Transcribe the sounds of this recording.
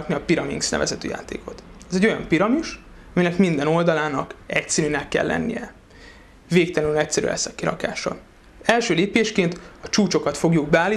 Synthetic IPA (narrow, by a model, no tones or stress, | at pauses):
kniɒpiɾɒmḭŋksnɛ̰vɛ̰zɛt̪ø̰ːja̰ːt̪ḛːko̞t̪ɛzɛɟo̞jɒ̰mpiɾɒmiʃ | ɒminɛkmind̪ɛno̞ld̪ɒlaːnɒkɛcsɛɾyːnɛkːɛ̰lːɛ̰nːḭjɛ | veːkt̪ɛlɛnynɛcsɛɾy̰ɛ̰sːɒkːiɾɒ̰ka̰ːʃɒ̰ | ɛlʃøːleːpeːʃkeːnt̪ɒt͡ʃuːt͡ʃo̞kɒt̪fo̞ɡjuɡbɛaːli